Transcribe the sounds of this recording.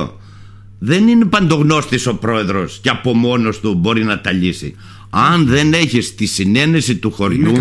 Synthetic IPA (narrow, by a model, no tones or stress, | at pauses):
ðe̞nine̞pɐnd̪o̞ɣno̞st̪iso̞pɾo̞e̞ðɾo̞sceɐpo̞mo̞no̞st̪ubo̞ɾinɐt̪ɐʎisḭ | ɐnðe̞ne̞çist̪isine̞ne̞sit̪uxo̞ɾʝu